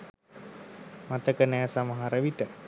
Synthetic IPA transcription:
mat̪əkənɛjasaməɦaɾəʋiʈə

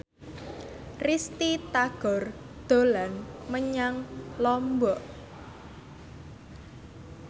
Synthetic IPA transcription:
rist̪it̪aɡ̥ɔ̤r | d̪̥o̤lanməɲaŋlɔmbɔʔ

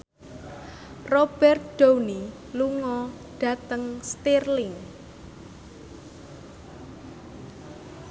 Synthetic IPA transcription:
rob̥ɛrt̪̚ɖ̥owni | luŋɔ | ɖ̥a̤t̪əŋst̪irlɪŋ

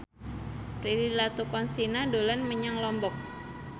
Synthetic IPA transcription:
pɾililat̪ukɔnsinadolanməɲaŋlɔmbɔk̚

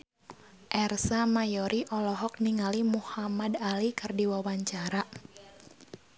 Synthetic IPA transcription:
ʔɛrsamajɔɾiʔɔlɔɦɔk̚niŋalimuhamadalikɨrdiwawaɲt͡ʃaɾa

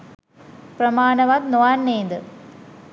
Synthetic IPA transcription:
pɾɐmaːɳɐʋaːt̪noaːnːeːnd̪ə

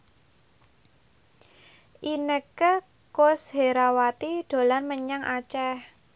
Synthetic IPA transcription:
ʔinəkə | kosheɾawat̪iɖ̥o̤lanməɲaŋʔat͡ʃɛh

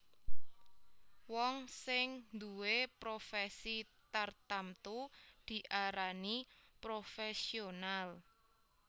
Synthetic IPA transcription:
wɔŋsɪŋnd̪uwepɾofɛsit̪art̪amt̪ud̪̥i̤ʔaɾanipɾofɛsional

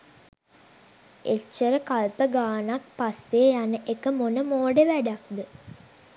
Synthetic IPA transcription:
et͡ʃːəɾəkalpəɡaːnak̚pasːejanəʔekəmonəmoːɖəʋæɖak̚d̪ə

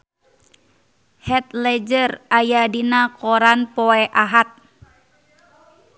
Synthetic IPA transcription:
hɛt̪̚lɛd͡ʒərajadinakɔɾanpɔɛʔaɦat̪̚

